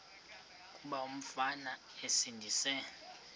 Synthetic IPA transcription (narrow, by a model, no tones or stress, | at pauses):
kʼuɓaum̩fana | esindʱisɛ